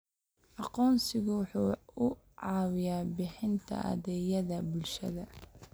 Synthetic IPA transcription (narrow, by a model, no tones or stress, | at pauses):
ʔɑqɔːnsɪɣʊwʊħuːʊ | ʕɑːwɪjaːbɪħɪnt̪ʰɐ̰ʔɐ̰ðɛːjɐðɐbʊlʃɐ̰ðɐ